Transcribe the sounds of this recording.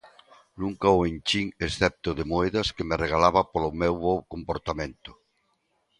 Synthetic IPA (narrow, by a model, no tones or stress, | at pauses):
nũŋkaoent͡ʃiŋesθɛp̚t̪oðemoeðɐskemereɣ̞alaβɐpolʊmewβɔkompoɾt̪amẽnt̪ʊ̥